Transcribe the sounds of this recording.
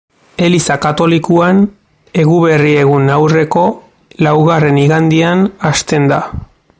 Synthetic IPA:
e̞lisakat̪o̞likuan | e̞ɣuβe̞rie̞ɣ̞unawre̞ko̞ | lawɣare̞niɣand̪ianast̪e̞nd̪a

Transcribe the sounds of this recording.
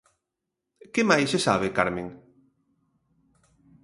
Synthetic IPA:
kemajsesaβ̞ekaɾmẽŋ

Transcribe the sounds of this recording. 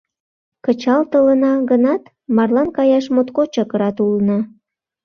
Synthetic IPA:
kət͡ɕɑlt̪ələnɑɣənɑt̪ | mɑrlɑnkɑjɑʃmot̪kot͡ɕəkəɾɑt̪ulnə

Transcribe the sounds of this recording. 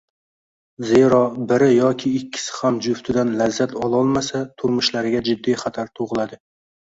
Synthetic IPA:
ze̞ɾɒbɪɾɪjɒkʲʰɪːkʲʰːɪ̥sɪ̥hamd͡ʒʊft̪ʰɪd̪anlazːat̪ʰɒlˠɒlˠmasat̪ʰʊɾmʊʃlaɾɪɡʲad͡ʒɪd̪ːijχat̪ʰaɾt̪ʰoʁlˠad̪ɪ

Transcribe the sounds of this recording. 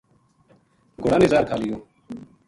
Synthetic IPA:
ɡʊɽaːnizaːɾkʰaːlɪjoː

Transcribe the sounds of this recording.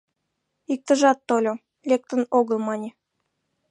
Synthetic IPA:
ik̚t̪ə̆ʒɑt̪ːolʲo | lʲek̚t̪ə̆noɣəlˠmɑnʲe

